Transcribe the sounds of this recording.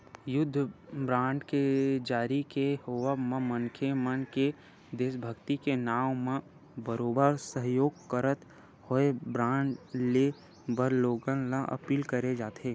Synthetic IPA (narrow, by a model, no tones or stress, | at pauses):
jʊd̪ʱːbɾãːɳɖked͡ʒaːɾikehoʋəmə̃mənkʰemənke | d̪eːʃbʱəɡt̪ikenaːʋmẽ | bəɾoːbəɾsəɦjoːɡkəɾət̪ | hoebɾãːɳɖle | bəɾloːɡənlaʔɐ̰piːlkəɾed͡ʒaːt̪eː